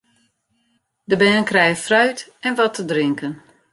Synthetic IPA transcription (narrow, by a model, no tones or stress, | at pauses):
dəbɛːnənkrɛjfrœɥtɛnʋɔtʰədrɪŋkən